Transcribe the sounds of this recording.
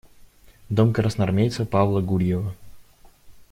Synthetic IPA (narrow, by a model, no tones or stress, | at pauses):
d̪omkəɾəsnɐrmʲejt̪səpavlˠəɡuɾʲjɪvə